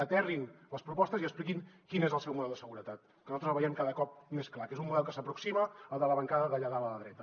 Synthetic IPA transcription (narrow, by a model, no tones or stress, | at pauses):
ət̪ɛrinləspɾupɔst̪əziəksplikinkinezəlˠsɛwmuðɛlˠd̪əsəɣuɾət̪at̪ | kənuzat̪ɾəzlβəjɛmkaðəkɔp̚mesklakezummuðɛlˠkəsəpɾuksiməəlˠd̪ələβəŋkaðəðəʎəðalələðɾɛt̪ə